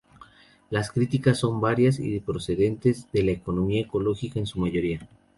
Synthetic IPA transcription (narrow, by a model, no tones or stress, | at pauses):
laskɾit̪ikasːo̞mbaɾjasḭðepɾo̞se̞ðe̞nt̪e̞zðe̞laeko̞no̞miae̞ko̞lo̞xikaensumaʝo̞ɾia